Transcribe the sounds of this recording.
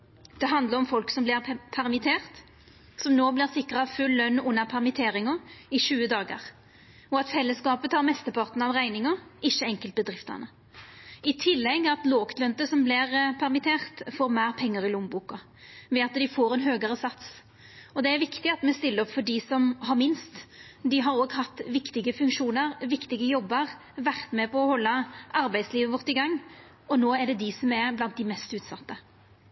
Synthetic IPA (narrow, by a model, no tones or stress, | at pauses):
d̪̥ɛɦɑnd̪ləɾɔmfɔlksɔmblɪʁpʰæʁmɪt̪ʰeːʁt̪ | sɔmnoːblɪʁsɪkːʁɑfʉlːœnːʊnːəʁpʰæʁmɪt̪ʰeːɾɪŋɔɪʃʉːəd̪ɑːɡə̰ʁ | ɔɑt̪fɛlːəskɑːpət̪hɑɾʁmɛst̪əpʰɑʁt̪n̩ɑʋʁæɪnɪŋɔɪçːəɛŋkəlt̪̚bəd̪ʁɪft̪ə̰nə | ɪt̪ʰɪlːɛɡːɑt̪loːkt̪lœnt̪əsɔmblɪʁpʰæʁmɪt̪ʰeːʁt̪foːɾmæːʁpʰɛŋːəʁɪlʊmbuːkɑ | ʋɛɑt̪d̪ɪfoːɾɛnɦøːɡəɾəsɑt̪s | ɔd̪ɛæɾʋɪkt̪ɪɑt̪mɛst̪ɪlːəɾɔpfɔɖisɔmɦɑʁmɪnst̪d̪ɪɦɑɾoːɡhɑt̪ːʋɪkt̪ɪɡəfʉŋkʃuːnəʁʋɪkt̪ɪɡəjɔbːəʁ | ʋæʁt̪mɛpʰɔɔhɔlːəʔɑɾbæɪd̪sliːʋəʋɔʁt̪ɪɡɑŋː | ɔnoːæɖɛd̪ɪsɔmɛblɑnt̪̚d̪ɪmɛst̪ʉːt̪sɑt̪ːə